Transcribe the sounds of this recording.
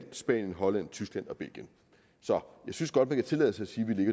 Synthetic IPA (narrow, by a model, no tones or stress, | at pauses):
nsb̥ɛ̰ːnjənɦɒ̽læn̰t͡sʰysɡ̥lænɒ̽b̥e̝l̰ɡ̥jən | sɒ̽jɑ̈ɪsynsɡ̥ɒ̽d̥mænkʰæt͡sʰe̝lɛ̰ðˠsɑ̈ɪsiːʋile̝ɡ̥ɐ